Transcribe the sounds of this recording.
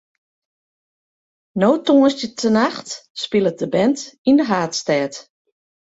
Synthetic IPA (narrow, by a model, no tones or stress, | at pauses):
noːtuəstjətʰənaxtspɪlˠət̚dəbɛntindəɦaːtstɛːt